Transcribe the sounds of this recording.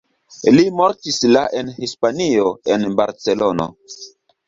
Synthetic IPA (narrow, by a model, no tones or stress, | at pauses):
limoɾtislaʔenhispanio̞enbaɾt͡se̞lono̰